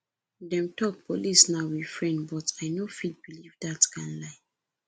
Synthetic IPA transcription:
dɛ̃mtʰɔk̚polisnaʊwi̥fɹɛ̃ndbɔtaɪnofid̚bilivdatkʰãnlaɪ

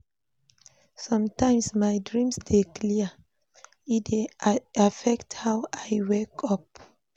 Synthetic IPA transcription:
sɔ̃mtãɪ̃msmajdɹĩmsdekliə | ideafɛkthawajwɛkʰɔp̚

